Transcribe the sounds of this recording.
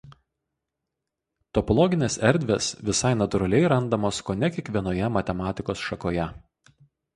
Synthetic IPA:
t̪ɔpɔlˠɔɡʲɪnʲeːsɛɾʲd̪ʲʋʲesʋʲɪsɑɪnɐt̪ʊɾɐlʲɛɪɾɐnd̪ɐmoːskoːnʲɛkʲiɛkʋʲiɛnoːjɛmɐt̪ʲɛmɑːt̪ʲɪkoːsʃɐkoːjɛ

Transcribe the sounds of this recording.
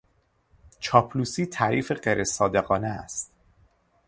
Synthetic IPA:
t͡ʃʰɒːpʰluːsiːt̪ʰæɾiːfe̞ɢeɾʔesɒːd̪e̞ɣɒːneæ̰st̪

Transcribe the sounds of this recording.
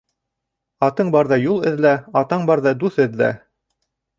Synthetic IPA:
ɑt̪ɤɴbɑɾðɑjulˠɘ̆ðlæɑt̪ɑɴbɑɾðɑd̪uθɘ̆ðlæ̰

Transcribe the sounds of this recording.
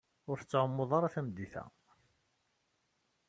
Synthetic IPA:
ʊɾθə̥t͡sːʕəmːoðˤɑɾˤɑθæmd̪ːiθæ̰

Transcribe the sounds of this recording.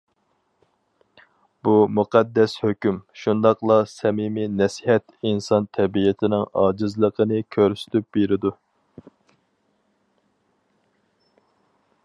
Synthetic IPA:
b̥umuqɛd̪ːɛshøkʲymʃund̪ɑqlˠɑsɛmiminɛsihɛt̪insɑnt̪ʰɛbijɪt̪ʰɪnɪŋɑːd͡ʒɨzlˠəqʰənɨkʲʰøɾsy̥t̪ʰyp̚beɾɪd̪u

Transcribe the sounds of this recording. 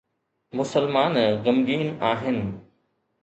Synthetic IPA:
mʊsəlmaːnɣɐmɡiːnaːɦɪnɪ̆

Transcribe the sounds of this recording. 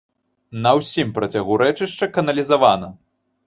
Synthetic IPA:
nɐwsʲimpɾɐt͡sʲaɣuɾɛt͡ʂɨʂt͡ʂɐkɐnɐlʲizavanɐ

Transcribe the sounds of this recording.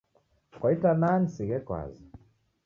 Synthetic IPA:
kwaitananisiɣɛkwa̰zi

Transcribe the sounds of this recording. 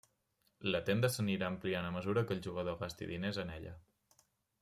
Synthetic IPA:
lət̪end̪əsəniɾaəmplianəməzuɾəkəlˠʲʒuɣ̞əð̞oɣast̪ḭðinezənɛʎə̰

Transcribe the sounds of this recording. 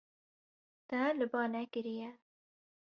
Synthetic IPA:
t̪ɐlɨbɑːnɛkɨɾijɛ

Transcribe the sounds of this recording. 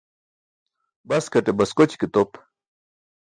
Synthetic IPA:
bɐskɐʈebɐskot͡ɕkit̪op

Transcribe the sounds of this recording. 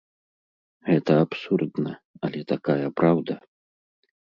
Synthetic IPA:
ɣɛt̪ɐapsurd̪nɐ | ɐlʲɛt̪akajɐpɾawd̪ɐ

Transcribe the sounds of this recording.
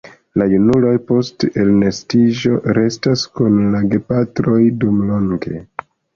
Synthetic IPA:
lajunulojpo̞stelnestid͡ʒo̞ɾe̞staskunlaɡe̞patɾo̞jdumlo̞ŋɡe̞̰

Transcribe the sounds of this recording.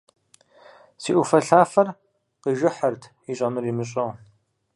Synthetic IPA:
siːʔufɐɬaːfɐr | qiʒɪħərtʰ | iɕʼɐmɨrimɨɕʼɐʁ

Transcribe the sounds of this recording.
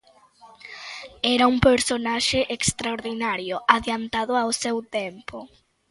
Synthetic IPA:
ɛɾaumpeɾsonaʃeʔekst̪ɾaoɾðinaɾjʊʔaðjant̪aðʊawsewt̪ɛmpʊ

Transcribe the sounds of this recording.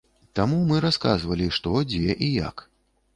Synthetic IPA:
t̪amumɨɾaska̰zvɐlʲiʂt̪ɔd͡zʲɛʔija̰k

